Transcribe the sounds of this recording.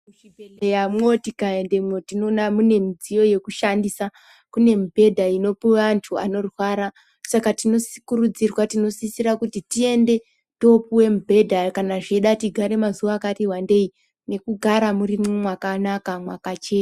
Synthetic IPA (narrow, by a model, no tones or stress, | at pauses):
muʃibʱele̞jamŋo̞tikae̞nde̞mo̞tino̞namune̞mid͡zijo̞je̞kuʃandisa | kune̞mubʱe̞dʱaino̞puwaːntʰua̰no̞rwaɾa | sakatino̞skurud͡zirwatino̞sisiɾakutitie̞nde̞ | to̞puwe̞mubʱe̞dʱakanaʐeɗatiɡʱaɾe̞mazuʋaːkatiwande̞i | ne̞kuɡʱaɾamurimomwakanakamwakat͡ʃe̞ːu